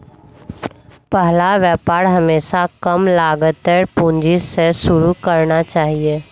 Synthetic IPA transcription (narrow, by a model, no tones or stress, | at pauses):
pəɦlaʋjɛːpaːɾɦɐmeːʃakəmlaːɡət̪eɾpũːɲd͡ʒisesʊɾukəɾnat͡ʃaːɦieː